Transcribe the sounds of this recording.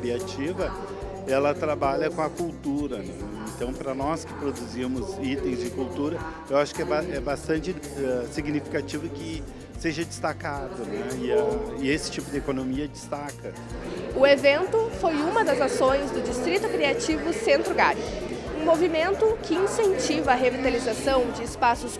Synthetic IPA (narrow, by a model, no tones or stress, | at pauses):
kɾiat͡ʃivɐ | ɛlɐt̪ɾabaʎɐkõɐkuwt̪uɾɐnɛẽnt̪ɐ̃w̃pɾɐnɔskɪ̥pɾod̪uzimʊzit̪ẽj̃zd͡ʒɪkuwt̪uɾɐ | ewaʃʊ̥kɪɛbaɛbast̪ɐ̃nt͡ʃɪ | ɛsiɡnifi̥kat͡ʃivʊkɪ | seʒɐd͡ʒɪst̪akad̪ʊnɛɪaɪesɪ̥t͡ʃipʊd̪ɪekonomiɐd͡ʒɪst̪akɐ | ʊevẽnt̪ʊfojũmɐd̪ɐzasõj̃zd̪ʊd͡ʒist̪ɾit̪ʊkɾiat͡ʃivʊsẽnt̪ɾʊɡaɾʊ | ũmovimẽnt̪ʊkɪĩsẽnt͡ʃivɐːɦevit̪alizasɐ̃w̃d͡ʒɪːspasʊs